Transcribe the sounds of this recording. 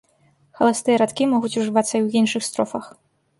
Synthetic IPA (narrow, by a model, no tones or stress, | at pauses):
xɐlˠast̪ɨjɐɾat̪kʲimɔɣut͡sʲuʐɨvat̪sːɐiwinʂɨxst̪ɾɔfɐx